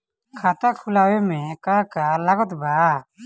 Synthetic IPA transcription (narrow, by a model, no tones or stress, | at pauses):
kʰat̪akʰulawɛmɛ̃kakalaɡɔt̪ba